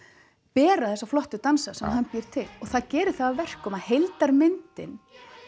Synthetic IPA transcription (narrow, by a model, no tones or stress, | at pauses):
pɛːɾaðɛsaflɔht̪ʏt̪ansasɛmɦanpjɪɾ̥t̪ʰɪlɔɣθaðcɛːɾɪθaðavɛr̥kʰɔmaðhejlt̪aɾmɪnt̪ɪn